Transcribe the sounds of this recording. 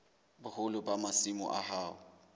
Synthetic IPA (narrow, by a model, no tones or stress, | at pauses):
bʊhʊlʊbamasimɔ̰ʔa̰ɦaːʊ